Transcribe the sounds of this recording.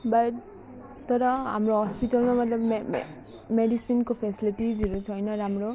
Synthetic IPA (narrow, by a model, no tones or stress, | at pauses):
bʌʈ | t̪ʌɾʌɦa̰mɾoɦʌspiʈʌlmamʌt̪lʌbme | meɖisinkopʰesiliʈid͡ziɾut͡sʰʌjnʌɾamɾo